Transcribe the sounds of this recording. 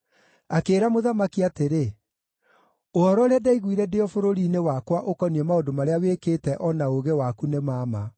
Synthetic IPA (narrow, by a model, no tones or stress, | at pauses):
akeːɾamoðamakiateɾe | oɔɾɔɾeadaiɣwiɾɛdeɔfoɾoɾiːnewakwaʔokɔniɛmaondomaɾeawekeːtɛʔɔnaoɣewakunemaːma